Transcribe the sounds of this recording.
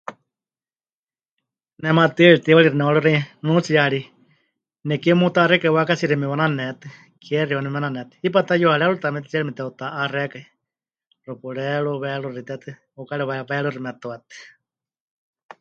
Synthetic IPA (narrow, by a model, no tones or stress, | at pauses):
nɛmat̪ɨɺit̪iwaɺiɾinɛwaɺuɾɛnũt͡sijaaɺi | nɛkɛmut̪aːɾɛkaiwakasiɾimiwananɛt̪ɨ | kʰɛriwanɛananɛt̪ɨ̥ip̬at̪ajuhaɺɛlut̪amɛt̪i̥t͡ʃiaɺimit̪ɛut̪aʔarɛkai | rupuɺɛɺuβɛɺurit̪ɛt̪ɨ | ukalɛβɛβɛɺuɾimat̪oat̪ɨ̥